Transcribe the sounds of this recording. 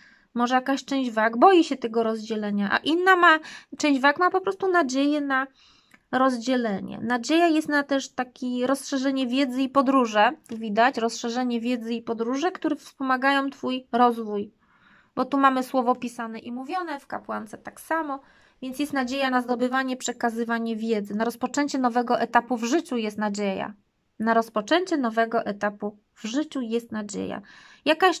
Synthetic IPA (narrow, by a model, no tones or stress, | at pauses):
mɔʐɛjakaɕt͡ʂɛ̃w̃d͡ʑvaɡbɔjiɕɛt̪ɛɡɔɾɔzd͡ʑɛlɛɲaʔa̰ʔinːamat͡ʂɛ̃w̃d͡ʑvakmapɔpɾɔst̪unad͡ʑejɛna | ɾɔzd͡ʑɛlɛɲɛ̰nad͡ʑejajɛst̪nat̪ɛʂt̪akʲiɾɔsʂɛʐɛɲɛvʲjɛd̪zɘipɔd̪ɾuʐɛt̪uvʲid̪at͡ɕɾɔsʂɛʐɛɲɛvʲjɛd̪zɘipɔd̪ɾuʐɛkt̪uɾɛfspɔmaɡajɔ̃w̃t̪fujɾɔzvuj | bɔt̪umamɘswɔvɔpʲisanɛʔimuvʲjɔnɛfkapwant̪sɛt̪aksamɔ | vʲjɛnt̪sjɛst̪nad͡ʑejanazd̪ɔbɘvaɲɛpʂɛkazɘvaɲɛvʲjɛd̪zɘnaɾɔspɔt͡ʂɛɲt͡ɕɛnɔvɛɡɔʔɛt̪apuvʐɘt͡ɕujɛst̪nad͡ʑeja̰ | naɾɔspɔt͡ʂɛɲt͡ɕɛnɔvɛɡɔʔɛt̪apu | vʐɘt͡ɕujɛst̪nad͡ʑḛja̰ | jakaɕ